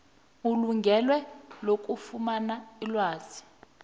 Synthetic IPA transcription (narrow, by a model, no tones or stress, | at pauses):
uluŋɡʱɛlwɛlokʼufumanailwaːz̥i